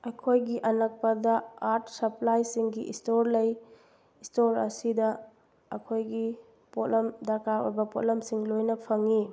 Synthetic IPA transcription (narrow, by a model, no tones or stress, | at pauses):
ɐkʰojɡiʔɐnɐk̚pɐdɐaɾt̚sɐplajsiŋɡiʔistoɾlɐj | istoɾɐsidɐ | ɐkʰojɡi | pot̚lɐmdakakɐ̰bɐpot̚lɐmsiŋlojnɐpʰɐŋi